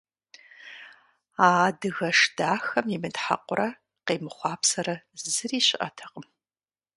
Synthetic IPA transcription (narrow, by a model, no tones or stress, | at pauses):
aːdɨɣɐʂd̥aːxɐmimɨtħa̰qʷʼʊrɐ | qeːmɨχʷɑːpʰsɐrɐzɨriːɕɪʔɐ̰tʰɐqʼəm